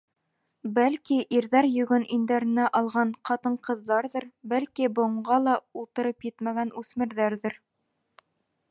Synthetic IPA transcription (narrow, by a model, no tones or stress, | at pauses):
bælkiʔiɾðæɾjɵ̆ɡɵnʔind̪æɾɘ̆næʔɑlˠʁɑɴqɑt̪ɤɴqɤ̆ðːɑɾðɤɾbælkibŏɴɢɑlˠɑulˠt̪ɤ̆ɾɤpjɘt̪mæɡænʉsmɘ̆ɾðæɾðɘɾ